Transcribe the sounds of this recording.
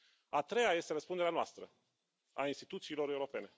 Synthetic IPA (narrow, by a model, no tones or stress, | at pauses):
at̪ɾe̞jaje̞st̪e̞ɾəspund̪eɾeanoast̪ɾə̰ | a̰inst̪i̥t̪ut̪siːlo̞ɾeuɾo̞pe̞ne̞